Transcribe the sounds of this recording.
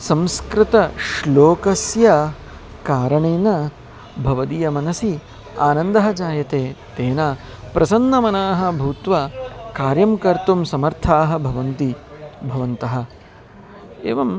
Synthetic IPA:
sɐ̃mskɾɪt̪ɐʃloːkɐsjɐ | kaːɾɐɳeːnɐ | bʱɐʋɐd̪ijɐmɐnɐsi | aːnɐnd̪ɐɦɐt͡ʃaːjɐt̪eːt̪eːna | pɾʔɐsɐnːɐmɐnaːɦɐ̆bʱuːt̪ʋɐkaːɾjɐmkɐɾt̪umsɐmɐɾt̪ʰaːɦɐ̆bʱɐʋɐnt̪ibʱɐʋɐnt̪ɐɦɐ̆ | ḛːʋɐm

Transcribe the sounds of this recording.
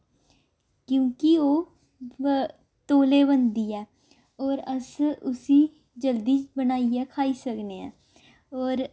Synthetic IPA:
kjõːkioː | t̪oːleːβənd̪iɛː | ɔːɾəsʊsiː | d͡ʒəld̪iːt͡ʃbənaːiɛːkʰaːisəkneɛ̰̃ː | ɔːɾ

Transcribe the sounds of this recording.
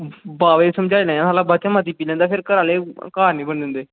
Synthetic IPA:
baːʋesəmd͡ʒaːinaːjãːsaːlãːbat͡ʃãmat̪iːpiːlɛ̃ːnd̪aːpʰɪɾkəɾaːleːkaːɾnĩːbənd̪ʊ̃nd̪eː

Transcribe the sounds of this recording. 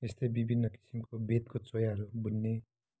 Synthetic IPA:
est̪ʌjbibʱinːʌki̥simkobʱet̪̚kot͡sojaɦʌɾubunːe

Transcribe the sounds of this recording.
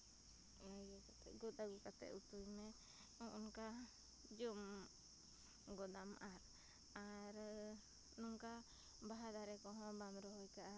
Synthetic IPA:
ajɔkat̪ɛ̰ɡɔt̪aɡukat̪ɛ̰ʔut̪ujmɛ | ɔʔɔnka | d͡ʒɔm | ɡɔd̪amʔaɾ | aɾ | nɔŋka | baɦad̪aɾɛkɔɦɔ̃bamɾɔɦɔjkaʔa

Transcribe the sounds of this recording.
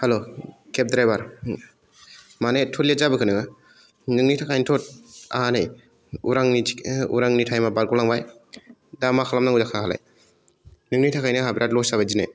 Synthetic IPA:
halokʰep̚dɾajbaɾ | manetʰolezabɯkʰɯnɯɡa | nɯŋnitʰakʰajnitʰot̚a̰hanaj | uɾaŋniṵɾaŋnitʰajmabaɾkɔlaŋbaj | damakʰalamnaŋuzakʰahala̰j | nɯŋnitʰakʰajniɦabiɾatlɔsabajd͡ʒinaj

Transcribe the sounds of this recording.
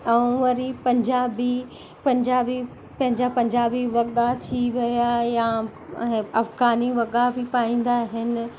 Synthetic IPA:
ɐ̃ʋɐɾipɐ̃ɲd͡ʑaːbi | pɐ̃ɲd͡ʑaːbi | pɐ̃ɦɪ̃ɲd͡ʑapɐ̃ɲd͡ʑaːbiʋɐɠat̪ʰiʋɐjajã | ɐfɡaːniʋɐɠabʱɪpaːĩːn̆d̪aɦɪnɪ̆

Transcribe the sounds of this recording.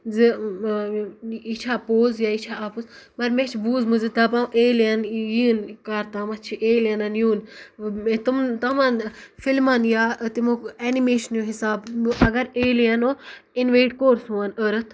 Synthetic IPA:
zi | it͡ʃʰaːpoːzjaːit͡ʃʰaːapuzmɐɾmet͡ʃʰbuːzmɨzid̪apãːʔeːlɐnjinkaɾt̪aːmɐt͡ʃʰiʔeːljɐnɐnjuːn | t̪umt̪ɐmaːnfilmaːnjaːt̪imokeːnimeːʃɐnjoɦisaːbɨʔɐɡɐɾeːliɐnoːinʋeːʈkoːɾsũːɐnəɾɨt̪ʰ

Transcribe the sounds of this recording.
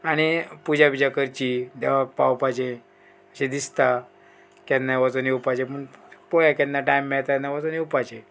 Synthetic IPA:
aɽ̃ipud͡ʑʱabid͡ʑakəɾt͡ɕid̪ɛʋapawpad͡ʑẽ | əɕẽd̪ist̪a | kanːaʋat͡sonewpad͡ʑepəɳpɔjakanːaʈaimːɛɭt̪anːaʋat͡sonewpad͡ʑe

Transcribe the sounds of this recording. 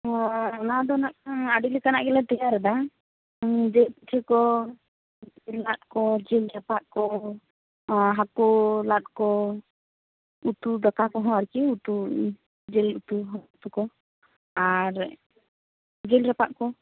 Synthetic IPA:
nad̪ɔnak̚aɖilɛkana̰ʔɡɛlat̪ɛjaɾɛd̪a | d͡ʒɛt̪ʰɛkɔ | ɛlːat̪̚kɔd͡ʒɛlɾɛpaʔkɔ | ɦakulat̪̚kɔ | ut̪ud̪ɔkakɔɦɔ̃aɾkiut̪u | d͡ʒɛlut̪uɦɔt̪ukɔ | aɾ | d͡ʒɛlɾɛpa̰ʔkɔ

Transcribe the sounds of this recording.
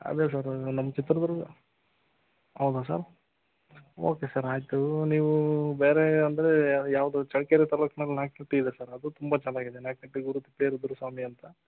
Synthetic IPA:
ɐ̰d̪es̬aːɾnɐmːɐt͡ʃit̪ɾɐd̪ɐɾuɡ | ɦɐwd̪us̬a̰ːɾ | oːkesaɾaːjt̪uniːʋubeːɾeɐnd̪ɐɾejaːʋd̪ut͡ʃɐɭkeɾet̪ɐlɐknɐlːnaːkniʈːiːd̪esaːɾɐd̪ut̪umbɐt͡ʃɐnaːɡid̪enaːkniʈːiɡuɾut̪ipːeːɾud̪uɾusaːmiɐnt̪ɐ

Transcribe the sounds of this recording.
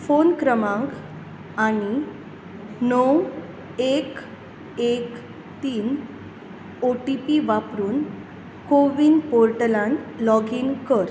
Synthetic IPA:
fonkɾəmãŋk | aɽ̃i | nɔw | ek | ek | t̪iːn | oʈipiʋapɾuːn | koʋiːnpoɾʈəlãnlɔɡiːnkəɾ

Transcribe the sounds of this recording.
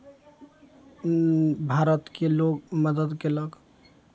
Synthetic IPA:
bʱaɾət̪kelokməd̪əd̪keləɡ

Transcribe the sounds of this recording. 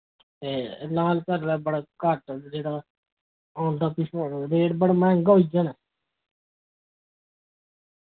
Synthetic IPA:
t̪eːlaːlkəɾʋɛːbəɽakaʈd͡ʒeːɽa | ɔ̃ːnd̪aːpisoɾeːɽbəɽmɛ̃ːŋɡoːid͡ʒanɛ

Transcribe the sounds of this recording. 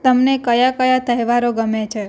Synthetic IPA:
t̪əmnekəjakəjat̪əɦjʋaɾoɡəmet͡ʃʰe

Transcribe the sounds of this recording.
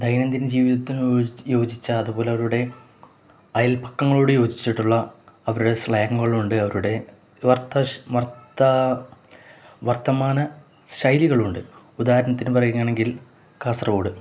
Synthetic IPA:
d̪ʱɐjnɐnd̪ind͡ʑiːʋiðɐt̪ːinjo̞ːd͡ʑit͡ɕːɐːðubo̞ːleɐʋɐɾuɽe̞ | ɐjɐlpɐ̥kːɐŋːɐɭoːɽɨjo̞ːd͡ʑit͡ɕːiʈːuɭːɐɐʋɐɾuɽesɭɐjɐŋːuɣɐɭuɳɖɨɐʋɐɾuɽe̞ | ʋɐrt̪ːɐʋɐrtɐ | ʋɐrt̪ːɐmaːnɐ | ɕɐjliɣɐɭuɳɖɨ | ud̪aːɐɾɐnɐt̪ːinɨpɐrɐjuŋːaːɳe̞ŋɡil | kaːsrɐoːɽɨ

